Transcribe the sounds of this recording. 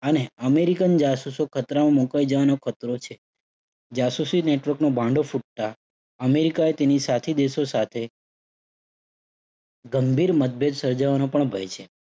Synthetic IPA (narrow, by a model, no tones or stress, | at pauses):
əneəmeɾikənd͡ʒasusokʰət̪ɾamãmokajd͡ʒəʋanokʰət̪ɾot͡ʃʰe | d͡ʒasusineʈʋəɾknobʱãɳɖofuʈ̚t̪a | əmeɾikaet̪enisat̪ʰid̪eʃosat̪ʰe | ɡəmbʱiɾmət̪̚bʱed̪səɾd͡ʒaʋanõpəɳbʱəjt͡ʃʰe